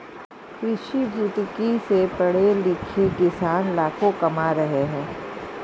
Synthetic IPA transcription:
kɾɪʃid͡ʒʊt̪kisepɐɽ̤elɪkʰekɪsaːnlaːkʰõkɐmaɾɐɦeɦɛ̃ː

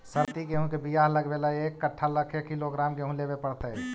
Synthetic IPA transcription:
səɾt̪ikeɦũkebijaːɦləɡbelaeːkːəʈʰːaləkʰekiloɡɾaːmkeɦũleːbepəɽt̪ɛ

